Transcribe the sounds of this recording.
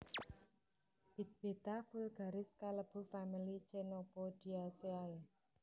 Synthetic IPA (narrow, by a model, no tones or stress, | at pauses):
b̥i̤t̪̚b̥et̪afulɡ̥a̤ɾɪskaləb̥ṳfamilit͡ʃenopod̪̥iaseae